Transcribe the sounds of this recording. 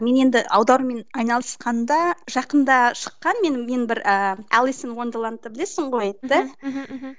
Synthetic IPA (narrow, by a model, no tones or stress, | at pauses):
me̞ne̞nd̪ɪʔɑwd̪ɑɾme̞nɑjnɑlˠəsqɑnd̪ɑʒɑqənd̪ɑʃə̥qːɑnme̞nme̞nbɪɾəːælˠisɪnwo̞nd̪ɑlˠɑnt̪ːəbɪle̞sɪɴʁojet̪ːɪ